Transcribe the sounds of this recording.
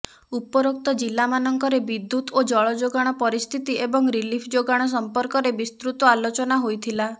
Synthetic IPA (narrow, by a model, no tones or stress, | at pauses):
upɔɾok̚t̪ɔd͡ʒilːamanɔŋkɔɾebid̪ːut̪od͡ʒɔɭɔd͡ʒoɡaɽ̃ɔpɔɾist̪ʰit̪iebɔŋɾilipʰd͡ʒoɡaɽ̃ɔs̬ɔmpɔɾkɔɾebist̪ɾut̪ɔalot͡ʃɔnaɦojt̪ʰila